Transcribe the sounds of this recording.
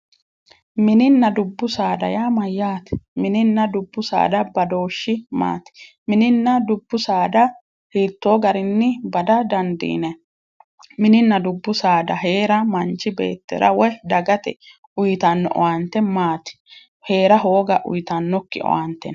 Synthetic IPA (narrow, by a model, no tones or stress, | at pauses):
mɪnɪnːɐd̪ʊbːʊsaːd̪ɐ̰jaːmɐjːaːt̪ɛ̥mɪnɪnːɐd̪ʊbːʊsa̰ːd̪ɐbɐd̪o̞ːʃːɪma̰ːt̪ɪ̥ | mɪnɪnːɐd̪ʊbːʊsaːd̪ɐ | hiːt̪ːo̞ːɡɐɾɪnːɪbɐd̪ɐd̪ɐnd̪ḭːnɛ | mɪnɪnːɐd̪ʊbːʊsaːd̪ɐɦe̞ːɾɐmɐnt͡ʃːɪbe̞̰ːt̪ːɛ̰ɾɐ̰wɔd̪ɐɡɐt̪ɛ | ʔʊjt̪ɐnːɔ̰ʔɔ̰want̪ːɛmaːt̪ɪ̥ | he̞ːɾɐɦo̞ːɡɐʔʊ̰jɪt̪ɐnːɔkːɪ̰ʔɔ̰want̪ːɛ̰n